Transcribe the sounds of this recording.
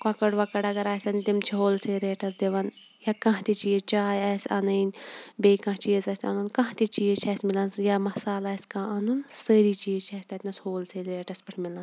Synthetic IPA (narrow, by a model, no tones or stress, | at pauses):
kãkɐɽʋɐkɐɽɐɡɐɾaːsʲɐnt̪imt͡ʃʰiɦoːlseɾeːʈɐs̬d̪eʋɐn | jakɐ̃ɦt̪it͡ʃiːzt͡ʃaːjɐsɐ̰nɐinbeːkɐ̃t͡ʃiːzɐsʲɐ̰nunkɐ̃ɦt̪it͡ʃiːzt͡ʃʰɐsʲmilɐnsjamɐsaːlɐskãːɐnunsəːɾiːt͡ʃiːzt͡ʃʰɐsʲt̪ɐt̪ʲnɐshoːlselɾeːʈɐspɐʈʰmilɐn